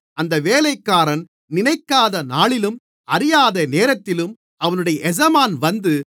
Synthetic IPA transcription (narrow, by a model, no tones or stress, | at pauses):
ɐnd̪ɐʋeːlɐɪkːaːɾɐn | nɪnɐɪkːaːðɐnaːɭɪlɯm | ʔɐɾɪjaːðɐneːɾɐt̪ːɪlɯm | ʔɐʋɐnɯɽɐjɐʔɛd͡ʒɐmaːnʋɐnd̪ɯ